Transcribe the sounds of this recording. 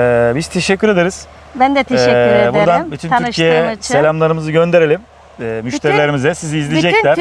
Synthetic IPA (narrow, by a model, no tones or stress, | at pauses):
ɛbiz̥t̪ʰe̞ʃɛcʰːyɾe̞d̪eɾiz̥ | bænd̪ɛt̪ʰɛɛb̪uɾd̪anbit̪ʰynmʰyɾcʰijɛselʲamlˠaɾɯmɯzɯɟø̞nd̪eɾelʲim | ɛːmyʃt̪ʰeɾilʲe̞ɾimizɛsiziːzlʲid͡ʒɛcʲæɾ̥